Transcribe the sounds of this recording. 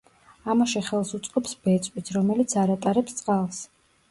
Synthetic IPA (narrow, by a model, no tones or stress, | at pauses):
amaʃɛχɛlˠsut̪sʼqʼɔpsbɛt̪sʼwit̪ʰɾɔmɛlit̪sʰaɾat̪ʼaɾɛpst̪sʼqʼalˠs